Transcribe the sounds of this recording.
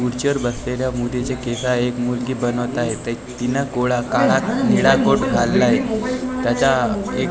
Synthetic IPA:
uɾt͡ɕəɾbəsleljamud̪ʱet͡ɕekesaekmulɡiːbənəʋt̪aɦet̪ə | t̪inakoɭakaɽakniɽakoʈɡʱalːaɦet̪jat͡ɕae

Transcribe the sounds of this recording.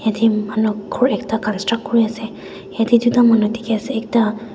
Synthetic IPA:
jadimanuɡʰɔɹɛktakanstɹak̚kːoɹiasɛ | jadidutamanutʰi̥kɛasɛɛk̚ta

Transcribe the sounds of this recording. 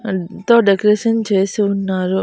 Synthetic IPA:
t̪oːɖekɐɾeːʂɐnt͡ʃe̞ːsuːnːaːɾu

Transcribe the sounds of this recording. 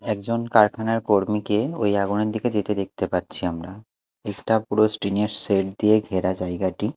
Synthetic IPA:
ɛkd͡ʑonkaɾkʰanaɾkoɾmikeojaɡuneɾd̪ʱiked͡ʑet̪ed̪ek̚t̪epat̪ːɕʰiamɾa | ɛkʈapuɾosʈɾineɾseʈ̚d̪ieɡʱeɾad͡ʑajɡaʈi

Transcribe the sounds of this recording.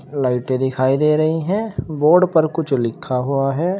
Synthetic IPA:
laːɪʈẽd̪ɪkʰaːid̪eːɾɐɦiɦɛ̃ːboːɾɖpɐɾkʊt͡ʃʰlɪkʰːaɦuaɦɛː

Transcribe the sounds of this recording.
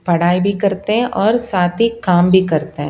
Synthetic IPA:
pɐɽ̤aːibʱikɐɾt̪eɦɛ̃ʔɔːɾsaːt̪ʰikaːmbʱikɐɾt̪eɦɛ̃

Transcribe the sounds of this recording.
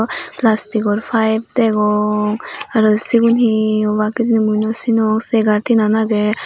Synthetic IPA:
plastikɔɾpʰajb̚t̪ɛɡɔŋaɾɔsiɡunɦiɔbakit̪inimujnɔsinɔŋsɛɡaɾtʰinanaɡɛ

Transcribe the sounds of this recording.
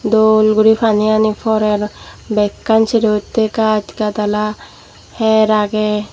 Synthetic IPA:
d̪olɡuɾipʰanijanipʰɔɾeɾbɛkːansiɾiot̪ːekad͡ʒikat̪ala | hɛɾaɡe

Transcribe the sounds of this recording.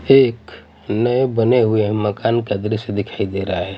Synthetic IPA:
eːk | nəebəneɦʊeməkaːnkad̪ɾised̪ɪkʰaːid̪eːɾaɦaɦɛː

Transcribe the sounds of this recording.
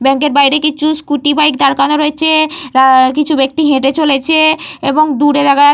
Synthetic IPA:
bɛŋkeɾbajɾekit͡ɕʰuskuʈibajk̚d̪aɾkanoɾoet͡ɕʰeɾakit͡ɕʰubek̚t̪iɦẽʈet͡ɕolet͡ɕʰeeboŋd̪uɾed̪aka

